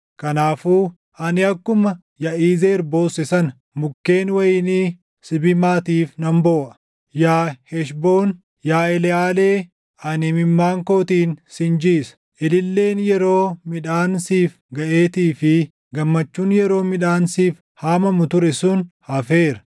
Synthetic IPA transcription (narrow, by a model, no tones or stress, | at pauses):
kɐnaːfuː | ʔɐnɪɐkːʊmɐ | jɐʔiːzeːɾbo̞ːsɛsɐn | mʊkːe̞ːnwɐjɪniː | sɪbɪmaːt̪iːfnɐmboːʔɐ̥ | jaːhɛʃbo̞ːn | jaːɛlɛaːle̞ː | ʔɐnɪmɪmːaːŋko̞ːt̪iːnsɪnd͡ʒiːsɐ̥ | ʔɪlɪlːe̞ːnjɛɾo̞ːmɪᶑaːnsiːf | ɡɐʔe̞ːt̪iːfɪ | ɡɐmːɐt͡ʃːuːnjɛɾo̞ːmɪᶑaːnsiːf | haːmɐmʊt̪ʊɾɛsʊnhɐfe̞ːɾɐ̥